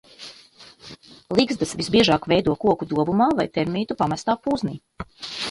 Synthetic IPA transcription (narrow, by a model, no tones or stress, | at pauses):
lˠiɡzd̪asvizbiɛʒaːkvɛjd̪uɔkuɔkud̪uɔbumaːvajt̪ɛɾmiːt̪upamɛst̪aːpuːzniː